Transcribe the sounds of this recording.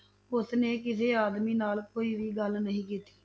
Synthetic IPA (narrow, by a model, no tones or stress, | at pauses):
ʊsneːkɪseːaːd̪miːnaːlkoːiːʋiːɡəlnəɦĩːk̬iːt̪i̥ː